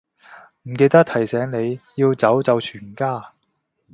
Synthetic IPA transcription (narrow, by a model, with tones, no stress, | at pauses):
m̩˨˩ke˧jt̪ɐ˥k̚t̪ʰɐ˨˩jsɛː˨˥ŋne˨˧jjiː˧wt͡sɐ˨˥wt͡sɐ˨˧wt͡ʃʰyː˨˩nkaː˥